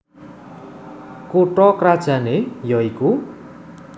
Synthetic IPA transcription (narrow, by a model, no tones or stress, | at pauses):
koʈɔkɾad̥ʒ̥a̤nejɔiku